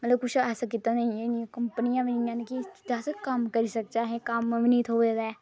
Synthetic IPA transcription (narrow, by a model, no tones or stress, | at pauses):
mət̪ləb̚kʊt͡ʃʰɛːsakɪt̪ːaːnẽeɪnijãːkəmpənɪjãːʋɪnijãːnekid̪aːskəmkəɾiːsək̚d͡ʒaːɦɛ̃ːkəmʋɪniːt̪ɦoːed̪ɛː